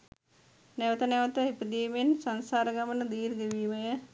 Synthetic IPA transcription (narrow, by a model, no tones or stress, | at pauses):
nɛʋət̪ənɛʋət̪əipəd̪iːmensansaːɾəɡamənəd̪iːɾd̪eʋiːməjə